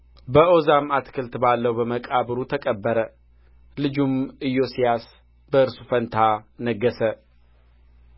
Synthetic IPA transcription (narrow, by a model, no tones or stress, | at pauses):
bəo̞zamat̪kʰɨlt̪balːəwbəməkʼaβɾut̪ʰəkʼəbːəɾə | lɨd͡ʒumɨjːo̞sijas | bəɨɾsu̥fənt̪ʰanəɡːəsə